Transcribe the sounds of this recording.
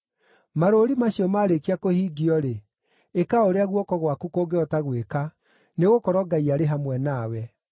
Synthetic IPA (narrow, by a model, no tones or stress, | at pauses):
maɾoɾimaɕiɔmaːɾekiakohiːɡiɔɾe | ekaoɾeaɣwɔkɔɣwakukoɡeɔtaɣweka | neɣokɔɾɔɡaiaɾeɦamwɛnaːwɛ